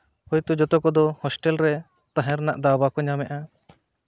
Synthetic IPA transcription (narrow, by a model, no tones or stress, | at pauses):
hɔjt̪ɔd͡ʒɔt̪ɔkɔd̪ɔhɔsʈɛlɾɛ | t̪ãɦɛ̃ɾnaʔd̪abakɔɲamɛʔa